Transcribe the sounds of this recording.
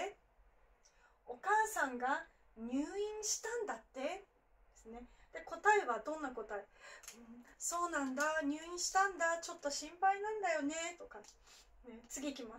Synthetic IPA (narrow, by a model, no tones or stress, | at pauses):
e | o̞kaːsãŋɡa | ɲ̟ɨːĩɰ̃ɕi̥t̪ãnd̪at̪ːe̞ | d̪esɨne̞d̪̥e̞ko̞t̪ae̞βad̪õ̞nːako̞t̪aeɯ̟̃ɴso̞ːnãnd̪aɲ̟ɨːĩɰ̃ɕi̥t̪ãnd̪at͡ɕo̞t̪ːo̞ɕĩmpainãnd̪ajo̞ne̞t̪o̞ka | net͡sɨɡʲiːkʲima